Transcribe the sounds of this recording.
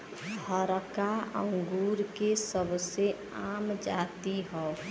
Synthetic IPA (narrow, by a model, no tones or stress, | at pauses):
bʱəɾkaə̰̃ŋɡuːɾkesəbse | aːmd͡ʒaːt̪iɦɔː